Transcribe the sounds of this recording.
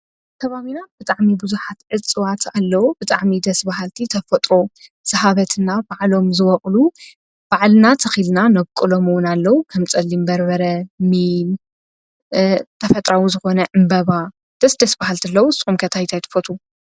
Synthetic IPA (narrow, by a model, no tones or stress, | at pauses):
t̪ʰɐβaβinab̥ɨt̪ʼaʕmibuzuħat̪ʕɨt͡sʼːɨwat̪ʰalːɐwubɨt̪ʼaʕmid̪ɐsbaɦalt̪ʰit̪ʰɐfɐt̪ʼɾo̞ | z̥ɐɦaβɐt̪ʰɨnabaʕlo̞mzɨwɐχʼlu | b̥aʕlnat̪ʰɐxilnanɐβkʼɨlomuwʊnalːɐwukʰɐmt͡sʼɐlːimbɐɾβɐɾɐmil | t̪ʰɐfɐt̪ʼɾawizɨxo̞nɐʔɨmbɐβa | d̪̥ɐsd̪ɐsbahalt̪ʰilːɐwusʼumkʰɐt̪ʰajt̪ʰajt̪ʰɨ̥fot̪ʰʼu